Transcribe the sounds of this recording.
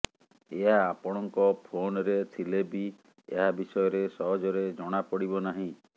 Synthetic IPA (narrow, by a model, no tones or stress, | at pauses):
eɦaːpɔɽ̃ɔŋkɔpʰonɔɾet̪ʰilebi | ḛɦabisɔjɔɾesɔɦɔd͡ʒɔɾed͡ʒɔɽ̃apɔɽibɔnaɦĩ